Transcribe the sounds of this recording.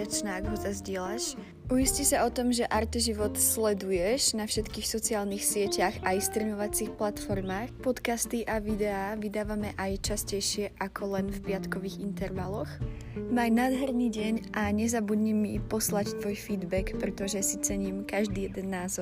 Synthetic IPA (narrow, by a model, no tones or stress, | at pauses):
at͡ʃnɛaɡɦɔsazɟɪɛlaʃ | ujiscisaɔt̪ɔmʒɛʔaɾt̪ɛʒiʋɔt̪slɛd̪ujɛʒnafʃɛt̪kiːxsɔt͡siaːlnixsɪɛcaxaist̪ɾɛɲɔʋat͡siːxplat̪fɔɾmaːxpɔt̪kast̪iʔaʋid̪ɛaːʋid̪aːʋamɛʔajt͡ʃascɛjʃɪɛʔakʰɔlɛnfpɪat̪kɔʋiːɣint̪ɛɾʋalɔx | maːjnaːd̪ɦɛɾniɟɛɲʔaɲɛzabud̪ɲimipɔslact̪ʋɔjfiːd̪bɛkpɾɛt̪ɔʒɛsit͡sɛɲiːmkaʒd̪iːjɛd̪ɛnːaːzɔɾ